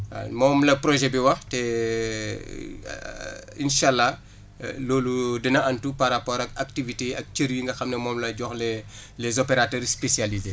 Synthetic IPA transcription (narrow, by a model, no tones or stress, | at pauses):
mɔːmlɐpɾɔʒɛbiwɐxtɛ | ḭnʃalːa | lɔːludinɐɐntupaɾapɔɾɐk̚ak̚tiviteɐk̚t͡ʃəɾjiŋɡɐxɐmnɛmɔːmlɐɟɔxlɛ | lɛzɔpeɾatɛːɾspesjalize